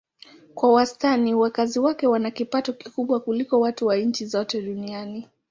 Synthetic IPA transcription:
kwawastaniwakaziwakɛwanakipatɔkikuɓwakulikɔwatuwaɲ̩t͡ʃizɔtɛɗuniani

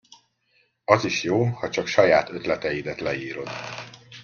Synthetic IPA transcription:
ɒziʃjoːhɒt͡ʃɒkʃɒjaːt̪ø̞t̪lɛt̪ɛjid̪ɛt̪lɛiːɾo̞d̪

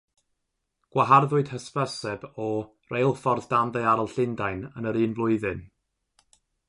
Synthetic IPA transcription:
ɡ̥waɦarðʊɨd̥həspəsɛbɔ | rejlˠfɔrðd̥anðeɨaɾɔlˠɬɪndajnənəɾɨːnvlˠʊɨðɨn

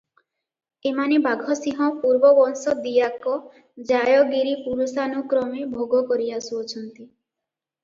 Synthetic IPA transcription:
emanebaɡʱɔsĩɦɔpuɾbɔbɔnsɔd̪ijakɔ | d͡ʒajɔɡiɾipuɾusanukɾɔmebʱoɡɔkɔɾiasuɔt͡ʃʰɔnt̪i

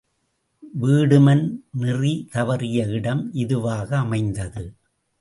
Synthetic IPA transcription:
ʋiːɽɯmɐnnɪrit̪ɐʋɐɾɪjɐɪɽɐmʔɪðɯʋaːɣɐːmɐɪnd̪ɐðɯ

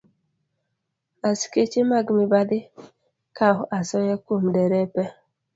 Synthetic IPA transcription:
asi̥ket͡ʃemaɡmibadɪ | kaɦʊʔasɔjɛkum̩deɾɛpɛ

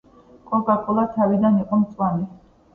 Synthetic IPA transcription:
kʼɔɡakʼulˠat̪ʰavid̪aniqʼɔmt̪sʼwami

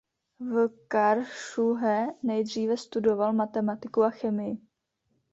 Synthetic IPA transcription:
vkaɾʃuɦɛnɛjdr̝iːvɛst̪udo̞valmat̪ɛmat̪ɪkuaxɛmɪjɪ

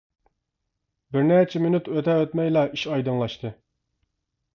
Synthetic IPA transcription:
bɪɾnæt͡ʃʰɛmɪnyt̪øt̪ʰɛøt̪mɛjlˠɑʔiʃɑjd̪ɨŋlˠɑʃt̪ʰɨ

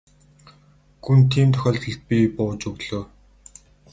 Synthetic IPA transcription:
xunt̪ʰiːmt̪ʰœxʲɔːɮt̪ɞ̆ɬt̪̚pʲipʊːt͡ɕɵɣɮ̥oː

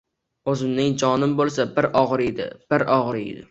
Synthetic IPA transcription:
ɵzɪmnɪŋd͡ʒɒnɪmbolˠsabɪɾɒʁɾed̪ɪ̰b̥ɪɾɒʁɾɪḛd̪ɪ̰

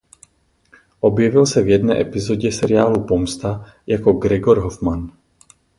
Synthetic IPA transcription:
ʔo̞bjɛvɪlsɛvjɛdnɛ̰ːʔɛpɪzo̞ɟɛsɛɾɪaːlupomst̪a | jakoɡɾɛɡoɾɦofman

